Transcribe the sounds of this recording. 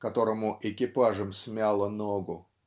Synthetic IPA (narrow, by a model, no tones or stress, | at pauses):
kɐt̪o̞ɾəmʊʔɪkʲɪpaʐəmsʲmʲalˠənoɡʊ